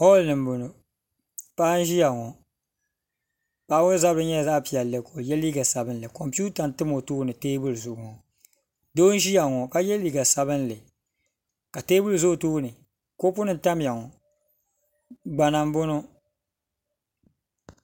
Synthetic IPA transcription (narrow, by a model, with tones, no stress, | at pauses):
hɔ˦lnɨ˨m˦bʊ˨no˨ | paː˦n˦ʒi˦ja˨ŋɔ˨ | paː˦wʊ˦za˦bɾɨ˦ɲɛ˦˨za˦˨pi˨a˨lɨ˨ko˨jɛ˦liː˦ɡa˨sa˨bɨ˦n˦lɨ˨kɔ˨mpi˦u˦ta˨n˨tɨ˦mo˨tuː˦nɨ˨teː˦bu˦lzʊ˨ʔŋɔ˨ | doː˦n˦ʒi˦ja˨ŋɔ˨ka˦jɛ˦liː˦ɡa˨sa˨βɨ˦n˦lɨ˨ | ka˨teː˦bu˦lɨ˨zʊ˦˨tuː˦nɨ˨ | ko˦p̬ʊ˦nɨ˨n̩˨ta˦m˨ja˨ŋɔ˨ | ɡ͡ba˨na˨m˦bʊ˦no˦